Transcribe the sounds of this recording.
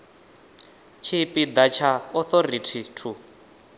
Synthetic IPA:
t͡ʃʰipʼid̪at͡ʃʰaɔθɔritʰitʰu

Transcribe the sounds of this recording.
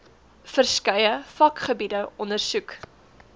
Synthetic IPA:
fərskɐjəfɐkχəbidəɔnərsʉk

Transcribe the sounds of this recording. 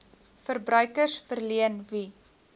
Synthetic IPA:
fərbrœɥkərsfərliənvi

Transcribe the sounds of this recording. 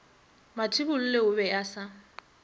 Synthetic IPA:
matʰibʊl̩leʊbɛasa

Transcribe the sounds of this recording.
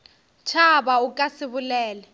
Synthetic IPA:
t͡ʃʰabaukʼasɪβʊlɛːlɛ

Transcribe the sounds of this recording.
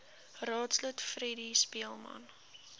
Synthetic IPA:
rɑːtslutfredispiəlˠmɐ̰n

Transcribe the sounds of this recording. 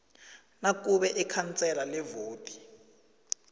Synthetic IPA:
nak̬ʼuɓɛʔikʰant͡sʼɛlalɛvoːtʼi̥

